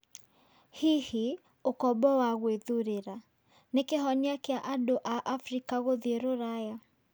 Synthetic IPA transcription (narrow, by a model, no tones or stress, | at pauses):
hihi | okɔbɔwaɣweðuɾeɾa | nekeɦɔɲiakeaʔadoʔaʔafɾikaɣoðieɾoɾaja